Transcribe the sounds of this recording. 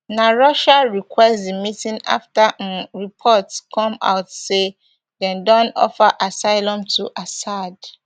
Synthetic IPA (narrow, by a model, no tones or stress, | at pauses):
naɹɔʃaɹikʰwɛstdimitĩna̰ftaʔnɹipʰɔtskʰɔ̃ma̰ʊtse | dɛ̃ndɔ̃nɔ̰faʔasaɪlɔ̃mtʰuʔasad